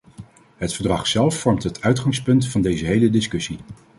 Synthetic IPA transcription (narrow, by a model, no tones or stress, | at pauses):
ɦətfəɹdrɑχsɛlˠfːɔɹmtɦətʰœɥtχɑŋspɵntfɑndejzəɦejlədɪskɵsi